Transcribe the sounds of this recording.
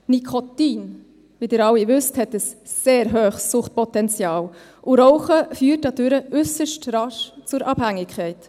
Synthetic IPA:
nikʰɔtiːn | ʋidɪːɾɑwivʏsthɛtəsːeːɾɦøːχsːʊχt̚pɔtɛnt͡sjɑːl | ʔʊɾɔʊχəfyːrt̚dɑd̥ʏɾəʔʏsəʃtrɑʃt͡sʊɾʔɑb̥hæŋːɪkχɛɪt

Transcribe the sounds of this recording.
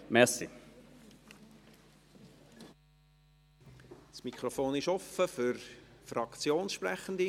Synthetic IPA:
mɛsḭ | smikʰχɾofoːnɪʃɔfəfʏɾfrɑkt͡sjoːnsʃprɛχənd̪i

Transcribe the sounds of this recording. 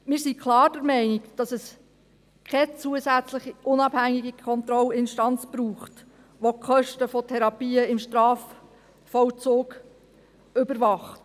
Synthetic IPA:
mɪːɾsikʰlɑːɾd̥əɾmɛɪnɪkd̥ɑsɛs | kʰɛt͡suəsæt͡slɪχiʔʊnɑb̥hæŋiɡikʰɔnt̪ɾɔlɪnʃtɑnt͡sb̥ɾuːχt | ʋokχœʃtəfɔtʰɛɾɑpiːəɪmʃtɾɑːf | fɔwt͡soːɡ | ʏbəɾʋɑχt

